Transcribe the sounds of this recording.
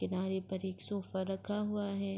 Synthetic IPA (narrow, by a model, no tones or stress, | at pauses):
kɪnaːɾepɐɾeːksɔːfaɾɐkʰaɦuaɦɛː